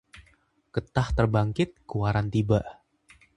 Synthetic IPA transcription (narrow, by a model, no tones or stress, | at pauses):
kət̪aht̪ərbaŋkɪt̪̚kuwaɾant̪iba